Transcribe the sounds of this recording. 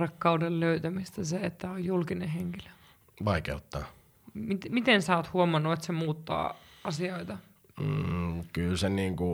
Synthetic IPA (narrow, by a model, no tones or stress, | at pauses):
rɑkːɑudelløyt̪æmist̪æseet̪ːæojjulkineheŋkilø̥ | ʋɑˑikḛut̪ːɑː | mit̪mit̪ensoːt̪huomɑnːuet̪semuːt̪ːɑ̰ːɑsioit̪ɑ | kylseniːŋku